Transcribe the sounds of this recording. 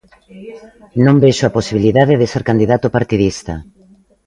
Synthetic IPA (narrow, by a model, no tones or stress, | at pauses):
nõmbeʃoaposiβiliðaðeðeseɾkand̪iðat̪opaɾt̪iðist̪a